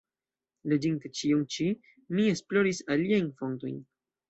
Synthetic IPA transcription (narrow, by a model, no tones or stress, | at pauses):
lod͡ʒintet͡ʃiunt͡ʃi | mie̞splo̞ɾisaliajnfo̞nto̞̰jn